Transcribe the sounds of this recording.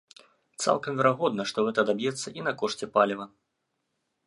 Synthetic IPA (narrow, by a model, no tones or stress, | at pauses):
t̪sa̰lˠkɐmvʲɛɾaɣɔd̪nɐʂt̪ɔɣɛt̪ɐd̪abʲjɛt̪sːɐʔinɐkɔʂt͡sʲɛpalʲivɐ